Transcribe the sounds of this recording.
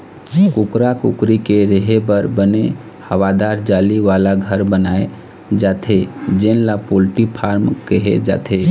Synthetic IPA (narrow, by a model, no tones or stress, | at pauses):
kukɾakukɾikeɾəɦebəɾbəne | həʋad̪aɾd͡ʒaliʋalaɡʱəɾbənae | d͡ʒat̪ʰed͡ʒenlapolʈipʰaɾmkəɦḛd͡ʒa̰t̪ʰe